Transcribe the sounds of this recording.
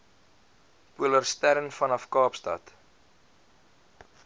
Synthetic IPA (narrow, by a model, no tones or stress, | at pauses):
pulərstæɾənfɐnɐfkɑːpstɐ̰t